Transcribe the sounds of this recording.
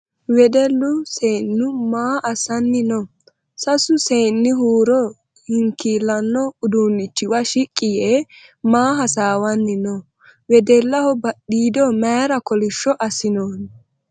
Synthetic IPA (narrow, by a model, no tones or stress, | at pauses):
wɛd̪ɛlːʊseːnːʊmaːʔɐsɐnːɪnɔ | sɐsʊseːnːɪɦuːɾɔ | hɪŋkilːɐnːɔʊd̪unːɪt͡ʃːɪwɐʃɪkʼːɪjɛ | maːɦɐsaːwɐnːɪnɔ | wɛd̪ɛlːɐhɔbɐɗiːd̪ɔmɐjɾɐkɔlɪʃːɔʔɐsɪnoːn